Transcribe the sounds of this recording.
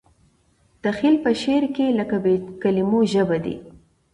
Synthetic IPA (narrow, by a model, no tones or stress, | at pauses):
d̪̥əxilpəʃeɾkeləkabekalimoʒəbad̪ḭ